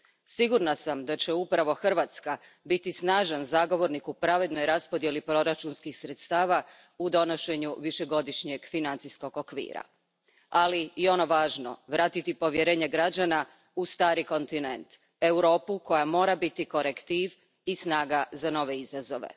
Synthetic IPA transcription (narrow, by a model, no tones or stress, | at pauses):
siɡuɾnasamd̪at͡ɕeupɾaʋo̞xr̩ʋat̪ska | bit̪isnaːʒanzaɡo̞ʋo̞ɾnikupɾaʋe̞d̪no̞jɾaspo̞d̪je̞lipɾo̞ɾat͡ʃunskixsɾet̪st̪aːʋa | ud̪o̞no̞ʃe̞ɲuʋiʃe̞ɡo̞d̪iʃɲe̞ɡfinant̪sisko̞ɡokʋḭːɾa̰ | aliio̞noʋaːʒno̞̰ʋɾaːt̪it̪ipo̞ʋjeɾe̞ːɲe̞ɡɾad͡ʑana | ust̪aːɾiko̞nt̪ine̞̰nt̪ | e̞wɾo̞ːpuko̞jamo̞ːɾabit̪iko̞ɾekt̪iʋ | isnaːɡazano̞ʋe̞izazo̞ʋḛ